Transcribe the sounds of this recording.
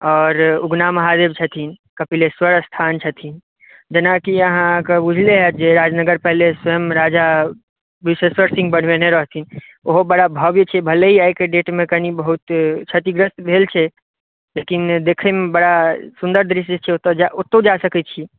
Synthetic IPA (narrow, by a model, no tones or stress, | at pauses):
ɔːɾuɡnaməɦad̪eb̚t͡ʃʰət̪ʰinkəpileswəɾst̪ʰant͡ʃʰət̪ʰin | d͡ʒenakiəɦãkebud͡ʒʱleɦɛd͡ʒeɾad͡ʒnəɡəɾpɛɦleswəjəmɾad͡ʒa | biseswəɾsĩŋɡbəɽ̤beneɾəɦt̪ʰin | oɦobəɽabʱəbjet͡ʃʰɛbʱəleɦiajkeɖeʈmẽkəɦnibəɦut̪t͡ʃʰət̪iɡɾəst̪bʱelt͡ʃʰɛ | lekind̪ekʰɛmebəɽasund̪əɾd̪ɾiʃd͡ʒet͡ʃʰɛot̪d͡ʒaʔot̪ːod͡ʒasəkɛt͡ʃʰi